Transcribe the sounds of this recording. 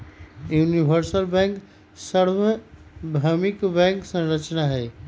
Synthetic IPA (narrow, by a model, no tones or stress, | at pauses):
junibʱəɾsəlbɛ̃ŋk | səɾbəbʱəmikbɛ̃ŋksə̃ɾət͡ʃnaɦɛɪ